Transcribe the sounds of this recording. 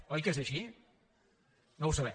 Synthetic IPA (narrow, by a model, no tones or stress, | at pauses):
ɔjkɛzəʃi | nowsəβɛ